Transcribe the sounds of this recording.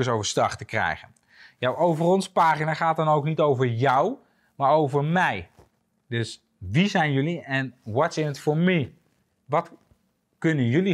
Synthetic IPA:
əsowvəɹstɑ̰χtəkrɛ̰jχən | jawʔowvərɔnspaːχinaːχaːt̚dɔnowknitowvəɹjɔw | maːɹowvəɹmɛj | dɵs | ʋizɛjnjɵliɛnʋɔtsɪnətfoɹmi | ʋɑt | kɵnənjɵli

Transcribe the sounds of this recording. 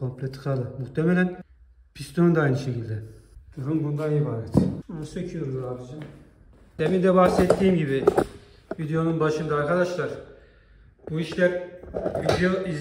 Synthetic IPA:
kʰo̞mplʲet̪ʰːɯ̥kalˠɯmuxt̪ʰemɛlʲæn | pʰist̪ʰound̪ajnɯʃecʰilʲd̪ɛd̪̥uɾumbund̪anibaːɾɛt̪onsecʰiuɾd̪uɾad̪id͡ʒan | d̪emind̪ɛbaxsɛt̪ːiːmɟibi | vid̪ejo̞nunbaʃɯnd̪aːɾkʰad̪aʃlˠaɾ | buiʃlʲæɾvid̪ejoiz

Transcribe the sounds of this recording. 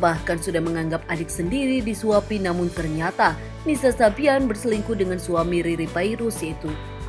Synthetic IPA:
bahkansudahməŋaŋɡap̚adɪk̚səndiɾidisuapinamʊnt̪ərɲat̪a | nisasabianbərsəliŋkudəŋansuamiɾiɾipaiɾusjait̪u

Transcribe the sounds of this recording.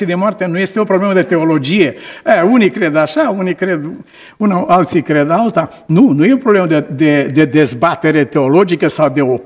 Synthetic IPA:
id̪emoart̪enuje̞st̪eo̞pɾoble̞məd̪e̞t̪e̞o̞lo̞d͡ʒije̞əunikɾe̞d̪aʃaunikɾed̪ | unaalt̪sikɾed̪alt̪a | nunujeopɾobleməd̪ed̪ed̪e̞d̪ezbat̪e̞ɾe̞t̪e̞o̞lo̞d͡ʒikəsawd̪e̞o

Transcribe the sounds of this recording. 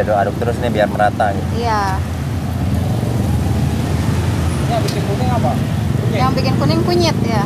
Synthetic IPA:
adɔadʊk̚t̪əɾʊsinibiarməɾat̪aɡija | ɲabikɪnkunɪŋapa | ɪjaŋbikɪnkunɪŋkuɲɪt̪̚ja

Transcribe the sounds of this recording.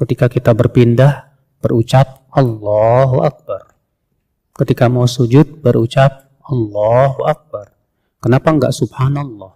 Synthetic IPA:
kət̪ikakit̪abərpindah | b̥ərut͡ʃap̚ʔɑlːɑɦuʔak̚bar | kət̪ikamasud͡ʒʊt̪̚bəɾut͡ʃap̚ | ɑlːɑɦuʔak̚bar | kənapaəŋɡa̰ʔsub̚hanalːɑh

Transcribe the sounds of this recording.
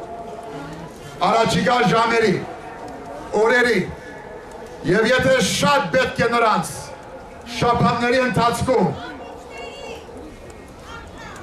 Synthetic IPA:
ɑrɑt͡ʃʰikɑʒɑmɛɾi | ɔɾɛɾi | jɛvjɛt̪ʰɛʃɑt̪̚bɛt̪̚kʰɛnəɾɑnt͡sʰ | ʃɑpʰɑnːɛɾiənt̪ʰɑt͡sʰkʰum

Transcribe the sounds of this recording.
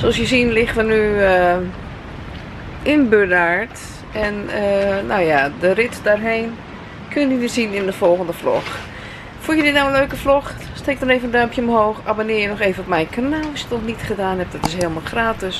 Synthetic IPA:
soɑlsjəsinlɪxtʋənyə | ʔɪnbøɹdaːɹt | ɛnəːawjadərɪtdarɦeːn | kʰønjədɪsinɪndəfɔlˠɣəndəflɔ̰x | fulˠjədɪtnawənløːkəflɔx | stɪk̚dɔneːvəəndœɥmpjəomhoːxabonɪːjənɔxeːvənɔp̚mɛjnkʰanaːlˠɔsjətɔxnitχədaːnɦɛp̚d̥ɔtɪsheːlˠmalˠxraːtɪs

